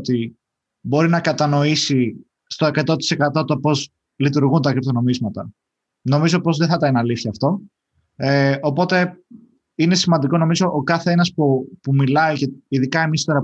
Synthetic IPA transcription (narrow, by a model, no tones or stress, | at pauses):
t̪i | bo̞ɾinɐkɐt̪ɐno̞isi | st̪o̞e̞kɐt̪o̞t̪i̥se̞kɐt̪o̞t̪opo̞z | lit̪uɾɣunt̪ɐkɾipt̪ono̞mizmɐt̪ɐ | no̞mizo̞po̞zðeθɐt̪ɐinɐliθçɐːft̪o̞ | opo̞t̪e̞ | ine̞simɐnd̪iko̞no̞mizo̞ʔokɐθeenɐspupumilɐiceiðikɐe̞mist̪o̞ɾɐ